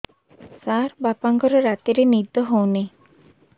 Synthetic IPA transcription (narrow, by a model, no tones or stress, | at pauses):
saɾbapaŋɡɔɾɔɾat̪iɾenid̪ɔɦowne